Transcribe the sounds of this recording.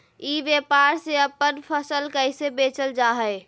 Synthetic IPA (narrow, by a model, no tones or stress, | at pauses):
iʋjepaɾseəpːənpʰəsəlkəɪsebeːt͡ʃəld͡ʒaɦəe